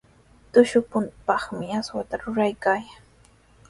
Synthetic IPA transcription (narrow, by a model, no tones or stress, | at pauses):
t̪ʊʃʊpʊnpɑχmɪaswat̪aɾʊɾajkaːjaŋ